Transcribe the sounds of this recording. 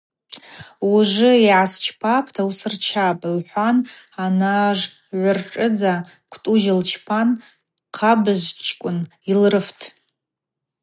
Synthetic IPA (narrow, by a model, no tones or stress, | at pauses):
uʐɨiʕast͡ʃʰpʰapʰtʰausɨrt͡ʃʰapʼlħʷan | anaʐ | ʕʷʊrʈ͡ʂʼɨd͡za | kʷʰtʼuʒɪlt͡ʃʰpʰan | qʰabɨzt͡ʃʰʼkʷʼʊn | ilrɨftʰ